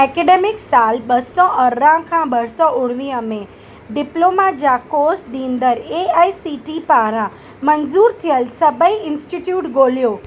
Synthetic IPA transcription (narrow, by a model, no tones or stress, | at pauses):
ɛkeɖemɪksalbəsɔəɾãkʰãbəɽsɔʊɽʋĩəmẽ | ɖɪplomad͡ʒakosɖĩnd̪əɾeaisiʈipaɾã | mənzuɾt̪ʰijəlsəbəiɪnsʈiʈjuːʈɡoljo